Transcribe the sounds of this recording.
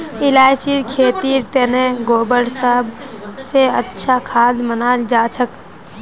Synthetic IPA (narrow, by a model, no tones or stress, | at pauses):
ɪlaːjt͡ʃiɾkʰeːt̪iːɾt̪eneɡoːbəɽsəɦbseətːʃʰakʰaːd̪mənaːld͡ʒaːt͡ʃʰək